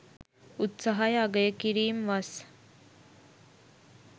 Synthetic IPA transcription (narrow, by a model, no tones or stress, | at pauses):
ut̪saɦajaɡəjəkiɾiːmʋas